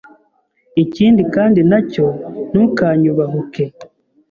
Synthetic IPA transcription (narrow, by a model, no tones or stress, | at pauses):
iciːndikaːndinaco̞n̥uːkaːɲuβamuke